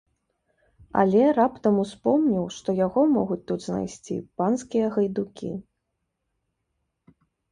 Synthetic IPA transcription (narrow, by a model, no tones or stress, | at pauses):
ɐ̰lʲɛɾapt̪ɐmuspɔmnʲiwʂt̪ɔjaɣɔmɔɣut͡sʲt̪ud̪zna̰jsʲt͡sʲḭpanskʲijɐɣɐjd̪ukʲḭ